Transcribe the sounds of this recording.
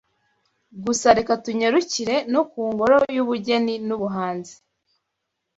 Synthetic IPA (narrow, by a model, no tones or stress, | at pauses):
ɡusaɾekatuɲeɾuciɾe̞nokuːŋɡo̞ɾojuβuɟe̞ninuβuɦaːnzi̥